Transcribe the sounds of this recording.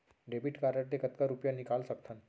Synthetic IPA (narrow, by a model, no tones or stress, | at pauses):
ɖebiʈkaɾəʈʈ̪ekət̪kaɾupjanikalsək̚t̪ʰan